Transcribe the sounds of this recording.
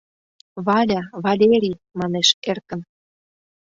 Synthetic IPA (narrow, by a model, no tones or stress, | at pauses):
βɑlʲɑβɑlʲeɾʲijmɑneʃerkə̆n